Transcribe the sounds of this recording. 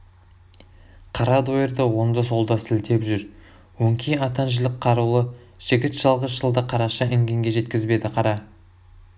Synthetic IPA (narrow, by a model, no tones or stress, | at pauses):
qʰɑɾɑd̪ojeɾd̪əwo̞nd̪əso̞lˠd̪ɑsɪlt̪ʰe̞pʒʏɾ | wɵŋkʲʰijɑt̪ɑnʒəlɪqʰːɑɾulˠə | ʒ̥ɪɡʲɪt̪ʒ̥ɑlˠʁəsʒəlˠd̪əqʰɑɾɑʃɑʔɪŋɡʲe̞ŋɡʲe̞ʒe̞t̪kʲɪzbe̞d̪ɪqʰɑɾɑ